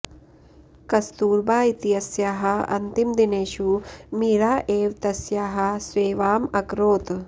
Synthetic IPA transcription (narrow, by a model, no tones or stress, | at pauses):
kɐst̪uːɾbaːit̪ijɐsjaːɦɐ̆ɐ̰nt̪imd̪ineːʃumiːɾaːʔeːʋt̪ɐsjaːɦɐ̆sʋeːʋaːmɐkɾoːt̪